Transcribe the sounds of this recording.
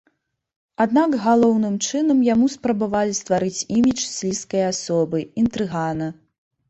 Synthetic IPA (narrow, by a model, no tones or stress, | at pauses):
ad̪naɡɣalˠɔwnɨmt͡ʂɨnɐmjamuspɾɐbavalʲist̪vaɾɨt͡sʲimʲit͡ʂsʲlʲiskɐjasɔbɨint̪ɾɨɣanɐ